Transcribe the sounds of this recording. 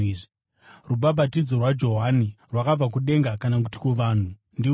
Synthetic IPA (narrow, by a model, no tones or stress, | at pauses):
ruɓaɓatid͡zo̞rwad͡ʒo̞ɦanirwakab͡vak̬uɗe̞ŋɡakanakuti̥keʋaːn̤u | ndi